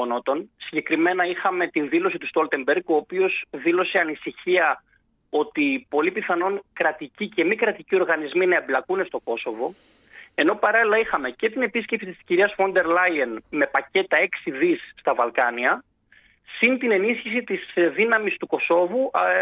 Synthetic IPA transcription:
onot̪o̞nsiɲɟe̞kɾime̞nɐixɐme̞t̪inðilo̞s̬it̪ust̪o̞lt̪e̞mbeɾɡo̞ːpio̞sðilo̞se̞ɐnisiçiɐ | o̞t̪ipo̞lipiθɐno̞nkɾɐt̪icice̞mikɾɐt̪icio̞ɾɣɐnizminɐe̞blɐkune̞st̪o̞ko̞so̞vo̞ | e̞no̞pɐɾɐlilɐixɐme̞ce̞t̪ine̞pisce̞psit̪isciɾiɐsfo̞nd̪e̞ɾlɐjɐnme̞pɐce̞t̪ɐe̞ksiðisːt̪ɐvɐlkɐniɐ | sint̪ine̞nisçisit̪isðinɐmist̪uko̞so̞vu

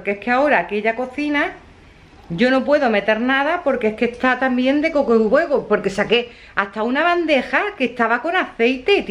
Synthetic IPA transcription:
keeskeao̞ɾaːke̞ʎako̞θina | ɟ͡ʝo̞no̞pwe̞ðo̞me̞t̪e̞ɾnaðapo̞ɾkeeskehst̪at̪ambje̞nd̪e̞ko̞kouβe̞ɣopo̞ɾke̞sake̞ | ast̪aunaβand̪e̞xake̞st̪aβako̞naθe̞jt̪e̞t̪

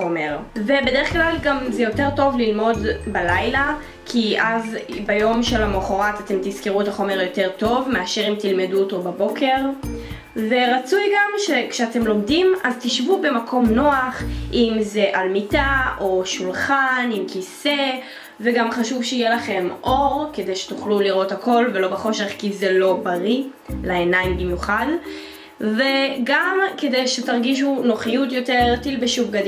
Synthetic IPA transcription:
omeʁve̞bede̞ʁeχklalɡamzejo̞te̞ʁto̞vlilmo̞dbalajla | kʰiʔazbajo̞mʃe̞lamoχoʁatate̞mt̪izkiʁuetaχo̞me̞ʁjo̞te̞ʁto̞vmeaʃe̞ʁimtilmeduoto̞babo̞kʰe̞ʁ | ve̞ʁat͡sujɡamʃekʃeate̞mlo̞mdimazt̪iʃvube̞makʰo̞mno̞aχimze̞ʔalmitaʔo̞ʃulχanimkise̞ | veɡamχaʃuvʃeijelaχe̞mʔo̞ʁke̞de̞jʃe̥t̪uχluliʁo̞thako̞lve̞lo̞beχo̞ʃe̞χkizelo̞baʁi | laenaimbimjuχad | veɡamke̞dejʃetaʁɡiʃ̬unoχijutjoteʁtilbeʃuvɡad

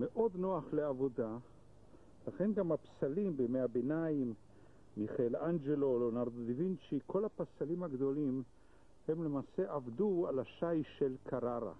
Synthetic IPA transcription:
meʔo̞d̪no̞aχleavo̞d̪a | laχe̞nɡamapsalimbemeabenaimː | iχaeland͡ʒelo̞lonaʁd̪od̪ivint͡ʃikʰo̞lapasalimhaɡd̪o̞lim | he̞mle̞maːse̞ʔavd̪ualaʃajʃe̞lkʰaʁaʁa̰

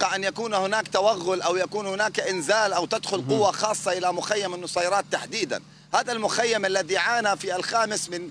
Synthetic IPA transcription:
qɑʔanjakuːnhʊnaːkt̪awaɣːʊlʔawjakuːnhʊnaːkʔɪnzaːlʔawt̪ad̪xʊlqʊwːaxɑːsˤːɑʔɪlamʊxajːamanːʊsˤɑjɾˤɑːt̪ːaħd̪iːd̪a̰n | haːðalmʊxajːamʔalːaðiʕaːnafialxaːmɪsmɪn

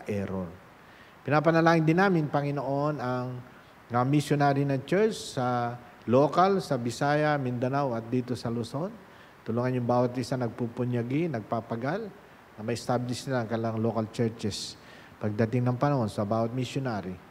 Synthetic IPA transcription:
ɐʔɛɾol | pɪnaːpɐnɐlaːŋɪnd̪ɪnːaːmɪnpɐŋɪnoʔo̞nɐŋ | mɐmɪsjonaːɾinɐŋt͡ʃɛɹt͡ʃsɐ | lo̞ːkɐlsɐbɪsaːjɐmɪnd̪ɐnawɐt̪̚d̪iːt̪o̞sɐloso̞n | t̪ʊluːŋɐnjʊŋbaːwɐt̪ɪsanɐɡ̚pupʊnjɐɡɪnɐɡ̚papɐɡal | nɐmɐjst̪ablɪʃnɪlaŋkɐlaŋlo̞kɐlt͡ʃɛɹt͡ʃɛs | pɐɡ̚d̪ɐt̪ɪŋnɐŋpɐnɐho̞nsɐbaːwɐt̪̚mɪsjonaːɾi

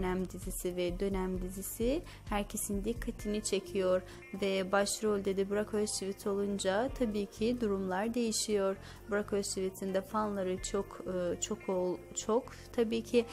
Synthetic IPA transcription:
næmd̪izisivɛd̪ø̞næmd̪izisi | hæɾcʰe̞sind̪ikʰːat̪ʰinit͡ʃʰe̞cʰijoɾ | vɛbaʃɾolʲd̪e̞d̪ibuɾakøssivit̪ʰolˠund͡ʒat̪ʰabiːcʰid̪uɾumlˠaɾd̪e̞jiʃijo̞ɾ | buɾakøssivit̪ʰind̪ɛfanlˠaɾɯt͡ʃʰokʰːt͡ʃʰo̞kʰot͡ʃʰok | t̪ʰabiːcʰi

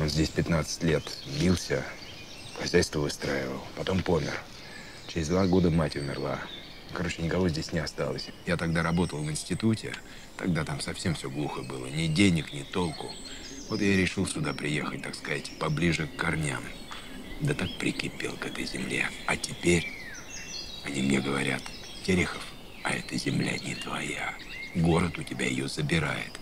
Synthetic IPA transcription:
o̞nzʲdʲesʲpʲɪt̪nat̪sɨ̥tʲlʲe̞t̪zbʲilˠsʲə | xɐzʲæjst̪vəvɨst̪ɾaɪvə̰lˠpɐt̪o̞mpo̞mʲɪ̰r | t͡ɕɪɾʲɪzd̪vaɡo̞d̪əmatʲʊmʲɪ̰rlˠa̰ | kɐɾo̞t͡ɕɪnʲɪkɐvo̞zʲdʲesʲnʲɪɐst̪alˠəsʲjat̪ɐɡd̪aɾɐbo̞t̪əlˠvɨnsʲtʲɪt̪utʲɪ̰ | t̪ɐ̰ɡ̚d̪at̪amsɐfsʲe̞mfsʲoɡlˠuxəbɨlˠənʲɪdʲenʲɪknʲɪt̪o̞lˠkʊ | vo̞t̪jaɾʲɪʂɨlˠsʲʊd̪apɾʲɪje̞xət̚ʲt̪akskɐzatʲpɐblʲiʐɨkːɐrnʲa̰m | d̪ət̪ak̚pɾʲɪkʲɪpʲḛlˠkɛt̪əjzʲɪmlʲe̞̰ɐtʲɪpʲeɾʲ | ɐnʲimnʲeɡəvɐɾʲa̰t̪ | tʲeɾʲɪxəf | ɐ̰ɛt̪əzʲɪmlʲa̰nʲɪt̪vɐja | ɡo̞ɾət̪ʊtʲɪbʲa̰jɪ̰jozəbʲɪɾa̰jɪ̰t̪

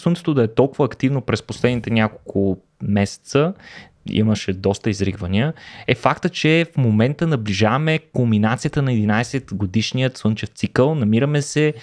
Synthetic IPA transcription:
swənt̪sɛ̥t̪od̪ɐɛt̪ɔlˠkʊvəːkt̪ivnopɾɛsposlɛd̪nit̪ɛnʲakolˠkʰʊ | mɛsɛ̥t̪sə | ḭməʃɛd̪ɔst̪əizɾiɡvəniəɛfakt̪ət͡ʃɛfmomɛnt̪ənɐbliʒavɐmɛkombinat̪sijət̪ənɐɛd̪inajsɛt̪ɡod̪iʃnijət̪swɤnt͡ʃɛft̪sikəlˠnɐmiɾəmɛsɛ

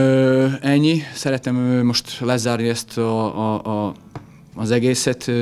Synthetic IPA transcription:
øɛɲːisɛɾɛt̪ɛmømo̞ʃt̪lɛzaːrniɛst̪ʰɒ | zɛɡeːsɛt̪

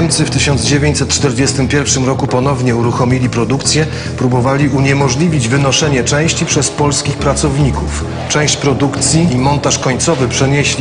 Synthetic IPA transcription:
ɲt̪sɘft̪ɘɕɔnd̪zd͡ʑevʲeɲt͡ɕsɛt̪̚ːt͡ʂt̪ɛɾd͡ʑɛst̪ɘmpʲjɛɾfʂɘmɾɔkupɔn̪ɔvɲɛuɾuxɔmʲilʲipɾɔd̪ukt̪sʲjɛ | pɾubɔvalʲiʔuɲɛmɔʐlʲivʲid͡ʑvɘnɔʂɛɲɛt͡ʂɛ̃w̃ɕt͡ɕipʂɛspɔlskʲixpɾat̪sɔvɲikuf | t͡ʂɛ̃w̃ɕt͡ɕpɾɔd̪ukt̪sʲjimɔnt̪aʂkɔɲt̪sɔvɘpʂɛɲeɕlʲi

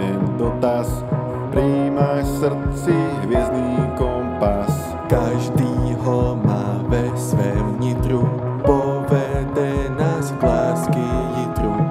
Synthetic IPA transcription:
ɛɲd̪ɔt̪as | pɾiːmaʃsr̩t͡siɦʋɪɛzniːkɔmpas | kaʒd̪iːɦɔmaːvɛsʋɛːmɲit̪ɾu | pɔvɛd̪ɛnazvlaːskiɦit̪ɾu

